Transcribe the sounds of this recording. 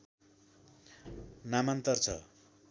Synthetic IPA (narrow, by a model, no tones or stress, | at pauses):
namant̪ʌrt͡sʰʌ̰